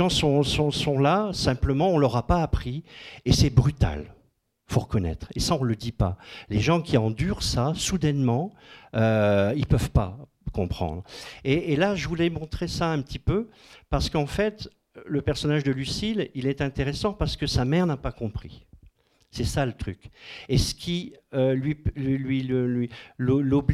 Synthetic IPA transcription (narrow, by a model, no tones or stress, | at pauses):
ʒɑ̃sɔ̃sɔ̃sɔ̃lasɛ̃pləmɑ̃ɔ̃lɔʁapaːpχiesɛbʁyt̪a̰l | foʁəkɔnɛ̰t̪χḛsaɔ̃ləd̪ipa̰leʒɑ̃kʲiɑ̃d̪yʁsasud̪ɛnmɑ̃øilpœvpa̰ | kɔ̃pχɑ̰̃d̪ʁeːlaʒəvulɛmɔ̃t̪χesaɛ̃pət̪ʰipø | paʁsə̥kɑ̃fɛt̪ | ləpɛʁsɔnaʒd̪əlysililɛt̪ɛ̃t̪eʁesɑ̃paʁsə̥kəsamɛʁnapakɔ̃pχḭ | sɛsalət̪χykesə̥kʲʰiølɥililɥiləlɥilolɔb